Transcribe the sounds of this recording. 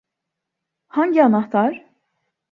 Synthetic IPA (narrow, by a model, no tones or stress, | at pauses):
haɲɟianɑht̪ʰaɾ